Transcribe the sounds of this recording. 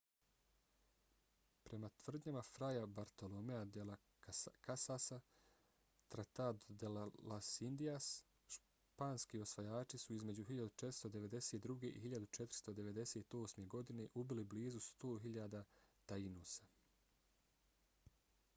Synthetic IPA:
pɾe̞mat̪ʋr̩d̪ɲamafɾajabaɾt̪o̞lomead̪ela | kasasa | t̪ɾat̪ad̪d̪ellasind̪ias | ʃ | paːnskio̞sʋajaːt͡ʃisuizme̞d͡ʑuɦiʎad̪ut͡ʃet̪ɾ̥st̪od̪e̞ʋe̞d̪e̞set̪̚d̪ɾuɡe̞ʔḭɦiʎad̪ut͡ʃe̞t̪ɾi̥st̪o̞d̪e̞ʋe̞d̪e̞set̪o̞ːsme̞ɡo̞d̪ine̞ʔubilibliːzust̪oːɦiʎad̪at̪ainusḁ

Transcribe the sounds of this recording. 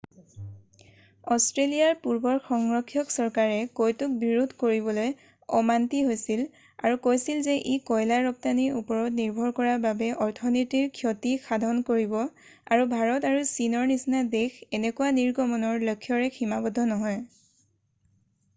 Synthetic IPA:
ɔstɹelijaɹpuɹbɔɹxɔŋɹɔkʰːjɔksɔɹkaɹɛkojtuk̚biɹudʱkoɹiβɔloj | ɔmantiɦojsil | a̰ɹukojsilzɛʔikɔjlaɹɔp̚taniupɔɹɔtniɹbʱɔɹkɔɹababɛʔɔɹtʰɔnɔtiɹkʰjɔtixʰadʱɔnkoɹibɔ | a̰ɹubʱaɹɔtaɹusinɔɹnisinadexɛnɛkuwaniɹɡɔmɔnɔɹlokʰːjɔɹɛximabɔdʱɔnɔɦɔj

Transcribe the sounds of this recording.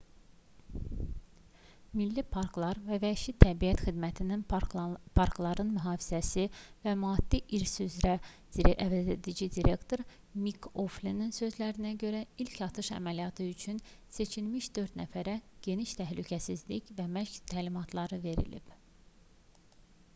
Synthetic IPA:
milːipʰɑɾklˠɑɾvævæʃit̪ʰæbijæt̪xid̪mæt̪ʰininpʰɑɾklˠɑɾɯnmyɦɑːfizæsivæmɑːd̪̥ːiʔiɾsyyzɾæ | ʔævæzed̪id͡ʒid̪iɾe̞kt̪ʰo̞ɾ | mikʰoflininsø̞zlæɾinæɟø̞ɾæilcʰɑt̪ʰɯʃæ̰mælijɑt̪ʰɯyt͡ʃʰyn | se̞t͡ʃʰilmiʃd̪̥ø̞ɾt̪næfæɾæɟ̥e̞niʃt̪ʰæɦlycʰæsizlicvæmæʃct̪ʰæːlimɑt̪ʰlˠɑɾɯve̞ɾḭlḭb

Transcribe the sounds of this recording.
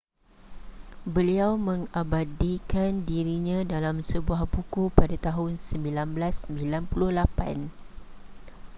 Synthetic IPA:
bəliawmə̃ŋabadikandiɾiɲãdalamsəbuahbukupadat̪aɦʊnsəmbilanblasːəmbilanpulʊhlapa̰n

